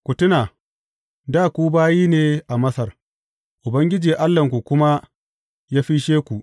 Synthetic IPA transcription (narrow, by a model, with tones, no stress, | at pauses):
kʷʊ˨tʊ˦naː˨ | daː˦˨kʷuː˦baː˦jiː˦neː˨ʔa˨mɐ˦sɐ˨r | ʔʊ˨bɐ˦ŋɡʲɪ˦d͡ʒiː˨ʔa˦lːɐ˨ŋkʷu˨kʷʊ˦ma˦ | jaː˦ɸi˦ʃeː˦kʷu˨ʔ